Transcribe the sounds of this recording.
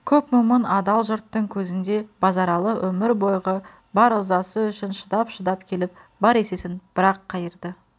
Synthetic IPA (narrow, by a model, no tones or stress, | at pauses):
kʲʰɵpmʊmənɑd̪ɑlˠʒʊɾt̪ːəŋkʲʰɵzɪnd̪e̞bɑzɑɾɑlˠəwʔɵmɪɾbo̞jʁə | bɑɾəzɑsəʏʃɪnʃəd̪ɑpʃəd̪ɑp̚kʲʰe̞lɪp̚bɑɾe̞se̞sɪnb̥ɪɾɑqʰːɑjəɾd̪ə